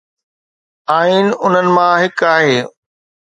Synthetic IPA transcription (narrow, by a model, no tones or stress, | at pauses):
aːiːnʊn̤ənɪ̆mãːɦɪkaːɦeː